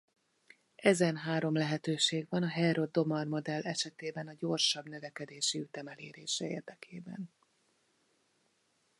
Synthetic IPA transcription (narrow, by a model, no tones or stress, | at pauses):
ɛzɛnɦaːɾo̞mlɛɦɛt̪øːʃeːɡʋɒnɒɦɛɾo̞d̪ːomɒrmo̞d̪ɛlːɛʃɛt̪eːbɛnɒɟo̞rʃɒbn̪øvɛkɛd̪eːʃiyt̪ɛmɛlḛːɾḛːʃɛḛːrd̪ɛkʰeːbɛ̰n